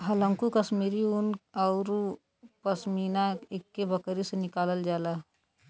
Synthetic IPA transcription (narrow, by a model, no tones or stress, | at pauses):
ɦələ̃ŋkukəsmiːɾiʊnɔʊɾ | pəsmiːnaekːebəkɾisenɪkaːləld͡ʒaːla